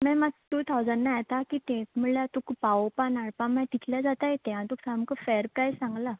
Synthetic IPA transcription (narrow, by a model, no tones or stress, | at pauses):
mɛ̃matt̪ut̪ʰawd͡zənːajet̪akiːt̪ẽm̤əɭlat̪ukpaopanaɽpãmɛ̃ʈit̪ljad͡zat̪ajet̪ẽãt̪uksamkəfɛəɾpɾajsãŋɡla